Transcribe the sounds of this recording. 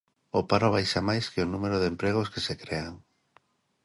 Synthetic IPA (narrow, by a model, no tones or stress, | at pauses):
opaɾoβ̞ajʃamajskeonumeɾoðempɾeɣoskesekɾeaŋ